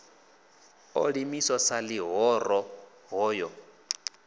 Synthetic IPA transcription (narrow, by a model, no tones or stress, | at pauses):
o̰ɺimisɔsaliɦɔrɔ | ɦɔːjɔ